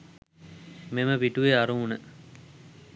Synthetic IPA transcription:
meməʋiʈuʋeaɾuunə

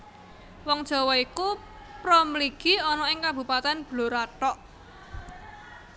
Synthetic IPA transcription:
wɔŋd̥ʒ̥ɔ̤wɔiku | pɾomliɡ̥iɔnɔɪŋkab̥ṳpat̪ɛnb̥loɾaʈɔʔ

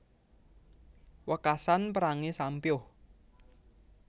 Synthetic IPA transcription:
wəkasanpəɾaŋesampjʊh

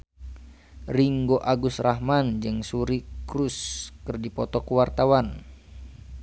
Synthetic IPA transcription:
riŋɡoʔaɡusraɦmand͡ʒɨŋsuɾikɾuskɨrdipɔt̪ɔkuwart̪awan

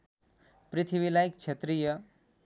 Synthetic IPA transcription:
pɾɪt̪ʰiʋilajik̚t͡ʃʰɐt̪ɾijə

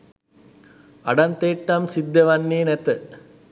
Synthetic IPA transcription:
ɐɖɐnt̪eːʈːɐmsid̪ːjɐʋɐnːiːnɛt̪ə

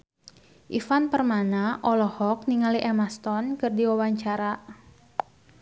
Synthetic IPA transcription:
ʔifanpərmanaʔɔlɔhɔk̚niŋaliʔemast̪ɔnkɨrdiwawaɲt͡ʃaɾa

